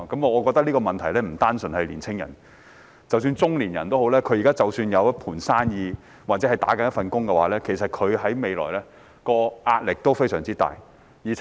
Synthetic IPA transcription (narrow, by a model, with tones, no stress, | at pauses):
kɐ˨˥m˨˧ɔː˨˧kɔː˧k̚t̪ɐ˥k̚liː˥kɔː˧mɐ˨nt̪ʰɐ˨˩jlɛː˥m̩˨˩t̪aː˥nsɵ˨nhɐ˨jliː˨˩nt͡sʰɪ˥ŋjɐ̰˨˩n | t͡sɐ˨ws̬yː˧nt͡sʊ˥ŋliː˨˩njɐ˨˩nt̪o˥wɦo˨˥wlɛː˥kʰɵ˨˧ɥjiː˨˩kaː˥t͡sɐ˨wsyː˧njɐ˨˧wpʰuː˨˩nsaː˥njiː˨˧ | waː˨t̚t͡sɛ˨˦˥ɐ˨jt̪a̰ː˨˥kɐ˨˥njɐ˥fɐ˨nkʊ˥ŋkɛ˧wa̰ː˨˥lɛː˥kʰe˨˩s̬ɐ˨t̚kʰɵ˨˧ɥɦɐ˨˥jme˨˧jlɔ̰ː˨˩jlɛː˥ | kɔː˧ʔaː˧t̚lɪ˨k̚t̪o˥wfe˥jsœː˨˩ŋt͡siː˥t̪a̰ː˨j | jiː˨